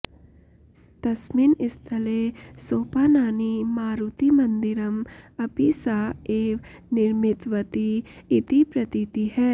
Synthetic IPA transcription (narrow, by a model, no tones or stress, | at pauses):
t̪ɐsminɪst̪ʰɐlesoːpaːnaːnimaːɾut̪imɐ̃nd̪ɪɾɐmɐpisaːeːʋ | nɪɾmɪt̪ʋət̪iːt̪ipɾɐt̪it̪iɦɛː